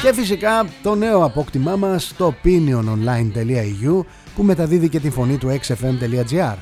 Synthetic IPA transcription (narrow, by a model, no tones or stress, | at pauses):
ce̞fisikɐt̪o̞ne̞o̞ɐpo̞kt̪imɐmɐst̪o̞pinio̞nonlɐint̪e̞liɐiʝu | pume̞t̪ɐðiðice̞t̪iɱfo̞nit̪ue̞kse̞fe̞mt̪e̞liɐd͡ziɐɾ